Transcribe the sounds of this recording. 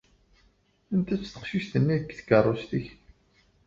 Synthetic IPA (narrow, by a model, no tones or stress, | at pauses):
ənt̪æt͡sːt̪ə̥qʃiçt̪ənːiðəkːθə̥kərˤːost̪əç